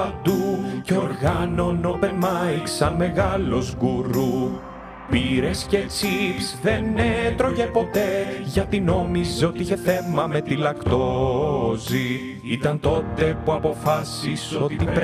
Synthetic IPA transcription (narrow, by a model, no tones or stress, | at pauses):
ɐd̪uceo̞ɾɣɐno̞nopemɐiksɐnme̞ɣɐlo̞zɡuɾu | piɾe̞sce̞t͡sipsðe̞net̪ɾo̞ʝe̞po̞t̪e̞ʝɐt̪ino̞mizo̞t̪iiçe̞θe̞mɐme̞t̪ilɐkt̪o | zi | it̪ɐnt̪o̞t̪e̞puɐpo̞fɐsiso̞t̪ip